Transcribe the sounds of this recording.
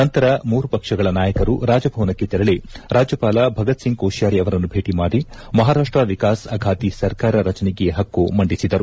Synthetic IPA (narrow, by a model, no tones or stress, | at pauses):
ɐnt̪ɐɾɐmuːɾupɐkʂɐɡɐɭɐnaːjɐkɐɾuɾaːd͡ʒɐbʱɐʋnɐkːet̪ɛɾɐɭeɾaːd͡ʒjɐpaːlabʱɐɡɐt̪siŋkoːʃjaːɾiɐʋɐɾɐnːubʱe̞ːʈimaːɽimɐɦaːɾaːʂʈɾɐʋikaːsɐɡʱaːt̪isɐɾkaːɾɐɾɐt͡ʃɐneɡeɦɐkːumɐɳɖisid̪ɐɾu